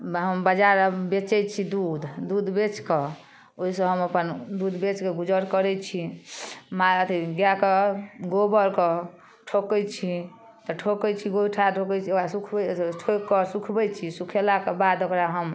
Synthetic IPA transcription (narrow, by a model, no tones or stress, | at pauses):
ɦəmbəd͡ʒaɾbet͡ʃɛt͡ʃʰid̪ud̪d̪ud̪bet͡ʃke | oisə̃ɦəməpənd̪ud̪bet͡ʃkeɡud͡ʒəɾkəɾɛt͡ʃʰi | maət̪ʰiɡjakeɡobəɾkɔ | ʈʰokɛjt͡ʃʰi | t̪ɔʈʰokɛt͡ʃʰiɡoiʈʰaʈʰokɛt͡ʃʰiasukʰbʈʰokːɔsukʰbɛjt͡ʃʰisukʰelakebad̪okɾaɦəm